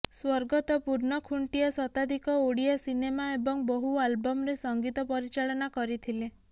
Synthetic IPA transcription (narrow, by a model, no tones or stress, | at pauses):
swɔɾɡɔt̪ɔpuɾɳɔkʰuɳʈiɔsɔt̪ad̪ʱikɔoɽijɔsinemaebɔŋbɔɦualbɔmɔɾesɔŋɡit̪ɔpɔɾit͡ʃaɭɔnakɔɾit̪ʰile